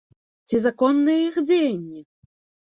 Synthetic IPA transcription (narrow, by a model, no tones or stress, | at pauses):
t͡sʲizakɔnːɨjɛixd͡zʲejanʲːi